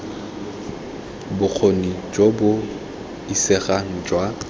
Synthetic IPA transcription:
bʊk͡xʰonid͡ʒobʊ | isɪɣaŋ̩d͡ʒwa

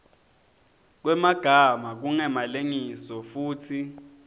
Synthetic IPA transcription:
k̬wɛmaɡ̥ʱamak̬uŋɛmaleŋisɔfuːtʰi

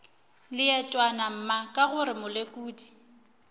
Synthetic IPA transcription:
lɪɛtʼwanam̩makʼaɣʊɾɪmʊlekʼuːdi̥

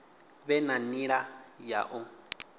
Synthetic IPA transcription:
βɛnaniɺaja̰ʔʊ

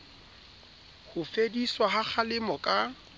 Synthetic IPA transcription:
hʊfediswaɦak͡xʰalɪmɔkʼa

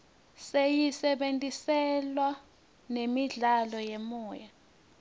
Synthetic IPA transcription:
sejisɛɓentʼisɛlwa | nemiɮalɔjemuːja

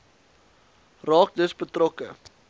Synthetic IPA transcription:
rɑːk̚dəsbətrɔkə̰

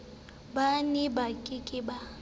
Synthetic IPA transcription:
banibakʼɪkʼɪba

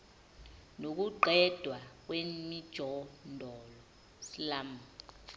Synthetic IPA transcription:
nok̬uǃʱɛd̥ʱwak̬wemid̥ʒ̥ʱɔndʱɔlɔ | silama

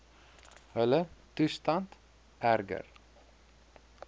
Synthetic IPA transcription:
hœlət̪ʰʏst̪ɑnt̪ | ʔæɾɡə̰ɾ

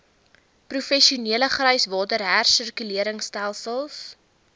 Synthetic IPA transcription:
prufɛʃiuniələχrœjsvɑːtəɾɦærsərkyliəɾəŋstælˠsəlˠs

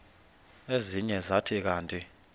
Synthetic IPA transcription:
eziɲɛzatʰik̬aːntʼi

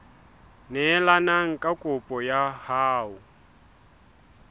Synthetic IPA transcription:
nɛlanaŋ̩kʼakʼʊpʼɔjahaːu

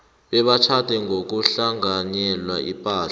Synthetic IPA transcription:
ɓɛɓat͡ʃʰatɛŋʱok̬uɬaŋanɛlwaḭpʼaːɬ

